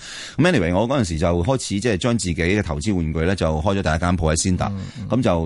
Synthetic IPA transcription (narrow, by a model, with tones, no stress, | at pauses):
kɐ˦mɛ˥ni˨wɐ˨˩ŋɔː˨˧kɔː˨˥jɐ˨ns̬iː˨˩t͡sɐ˨wɦɔː˥jt͡sʰiː˨˥t͡sɛː˥˩t͡ʃœː˥ŋt͡siː˨ke˨˥jkɛː˧t̪ʰɐ˨˩wt͡siː˥wuː˨˧nkɵ˧ɥlɛː˥t͡sɐ˨wɦɔː˥jt͡ɕɔ˨˥t̪ɐ˨jɐ˥kːaː˥npʰo˧wɐ˨˥jsiː˥nt̪a̰ː˨˩k̚kːɐ˨˦mt͡sɐ˨w